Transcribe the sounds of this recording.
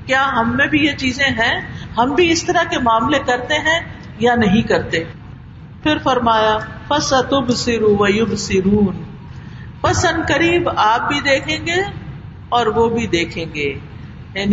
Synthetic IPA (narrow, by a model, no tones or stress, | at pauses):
kjaːɦɐmːẽbʱijet͡ʃiːzẽɦɛ̃ɦɐmbʱiɪst̪ɐɾakemaːmlekɐɾt̪eɦɛ̃ | janɐɦĩkɐɾt̪eɦɛ̃ | fɪɾfɐɾmaːja | fɐsɐt̪ʊbsɪɾuʋɐjʊbsɪɾuːn | pɐsɐ̃nkɐɾiːbaːp̚bʱid̪eːkʰẽːŋɡe | ɔːɾʋobʱid̪eːkʰẽːŋɡeː | jaːni